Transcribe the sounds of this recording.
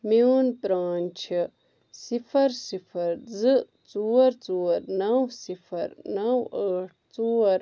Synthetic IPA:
minpɾaːnt͡ʃʰi | sifʰɐɾsifʰɐɾzɨ | t͡suːɾt͡soːɾnɐwsifʰɐɾnɐwaːʈ̚ʰt͡soːɾ

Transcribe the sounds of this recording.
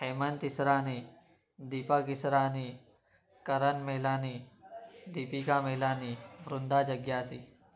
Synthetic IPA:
hemənt̪isɾani | d̪ipakisɾani | kəɾənmelani | d̪ipikamelaniːʋɾund̪ad͡ʑəɡjaːsḭː

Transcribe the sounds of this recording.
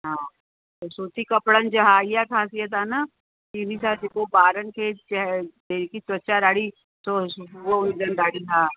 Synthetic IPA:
ɦãː | t̪osoːt̪ikɐpɽənd͡ʒɐɦaːijakʰaːsijət̪ɦaːna | kinisat̪ekobaːɾənket͡ʃɦd̪eɾkiswɐtːʃaɾaːɽi | t̪oʋoʊnd̪ənɖaːɽit̪ʰaː

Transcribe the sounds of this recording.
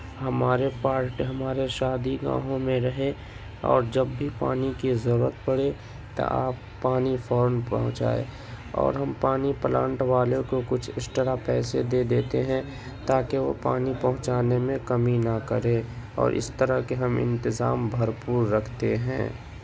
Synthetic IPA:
ɦɐmaːɾepaːɾʈɦɐmaːɾeʃaːd̪iɡã̰ːɦõmẽɾəɦe | ɔ̰ːɾd͡ʒɐbːʱipa̰ːnikizəɾuːɾət̪̚pəɽe | t̪a̰ʔaːpːaːnifʰɔːɾənpə̰ɦʊ̃t͡ʃa̰ːḛ | ɔ̰ːɾɦɐmpaːnipəlãːɳʈʋaːlẽkokʊt͡ʃʰɪsʈəɾapɛːsed̪eːd̪eːt̪eɦɛ̃ | t̪aːkeʋo̰paːnipəɦʊ̃t͡ʃaːnemẽkəminəkəɾẽ | ɔ̰ːɾʔɪ̰st̪əɾəɦkeɦɐmɪ̰̃nt̪ɪzaːmbʱɐɾpuːɾːəkʰt̪eɦɛ̰̃ː

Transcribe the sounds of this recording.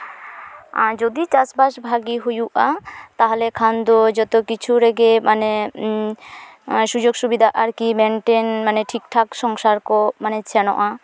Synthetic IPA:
a̰d͡ʒod̪it͡ʃasbaʃbʱaɡiɦojuʔat̪aɦɔlɛkʰand̪od͡ʒɔt̪okit͡ʃʰuɾɛɡemane | ʃud͡ʒoɡʃubid̪ʱaʔaɾkimɛnʈenmaneʈʰikʈʰakʃɔŋʃaɾkɔmanet͡ʃʰɛnɔ̰ʔa

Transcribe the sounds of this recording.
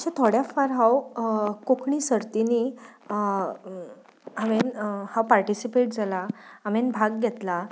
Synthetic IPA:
ɕat̪ʰoɽjafaɾɦawkokɳisəɾt̪ini | aʋenhãwpaɾʈisipeʈ̚d͡zʱalaamenbʱaɡɡʱɛt̪la

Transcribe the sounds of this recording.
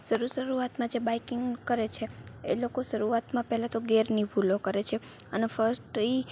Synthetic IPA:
ʃəɾuʃəɾuat̪mãd͡ʒebajkɪŋɡkəɾet͡ʃʰeḛlokoʃəɾuat̪mãpɛɦlãt̪oɡeɾnibʱulokəɾet͡ʃʰe | ənefəɾsʈi

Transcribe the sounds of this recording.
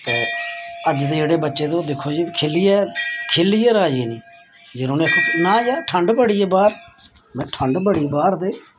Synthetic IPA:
t̪eːəd͡ʒd̪eːd͡ʒeːɽeːbətːʃeːd̪õːd̪ɪkʰːoːd͡ʒiːkʰeːlijɛːkʰeːlːijɛːɾaːd͡ʒeːniː | d͡ʒeːɾonẽːkʰːnãːd͡ʒaːʈʰəɳɖbəɽiːɛːbaːɾ | mɛ̃ːʈʰəɳɖbəɽiːbaːɾd̪eː

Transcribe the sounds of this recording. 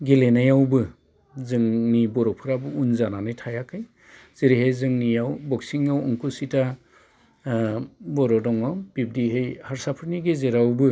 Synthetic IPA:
ɡelenajawbɯ | zɯŋnibɔɾɔpʰɯɾabɯunzananɯjtʰajakʰɯj | z̥iɾiɦejzɯŋnijawbɔk̚siŋawɔŋkusita | bɔɾɔdɔŋawb̥ib̚diɦejhaɾsapʰɯɾniɡezeɾawbɯ

